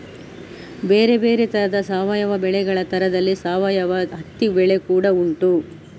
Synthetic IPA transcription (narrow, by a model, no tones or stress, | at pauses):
be̞ːɾe̞be̞ːɾet̪ɐɾɐd̪ɐsaːʋɐjɐʋɐbɛɭɛɡɐɭɐt̪ʰɐɾɐd̪ɐlːisaːʋɐjɐʋɐɦɐt̪ːibɛɭekuːɽɐuɳʈu